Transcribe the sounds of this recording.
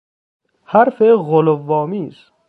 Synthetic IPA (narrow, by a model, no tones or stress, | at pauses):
haɾfeɣolovːɒːmiːs